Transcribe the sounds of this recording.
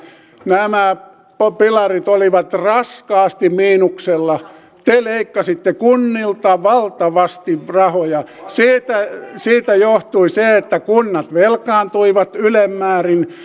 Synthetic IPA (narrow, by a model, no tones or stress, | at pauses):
næmæ | popilɑrit̪oliʋɑt̪rɑskɑːst̪immiːnukselːɑ | t̪eleikːɑsit̪ːekunːilt̪ɑʋɑlt̪ɑʋɑst̪iʋrɑhojɑsiːt̪æsiːt̪æjoht̪uiseet̪ːækunːɑt̪ʋelkɑːnt̪uiʋɑt̪ylemːæːrin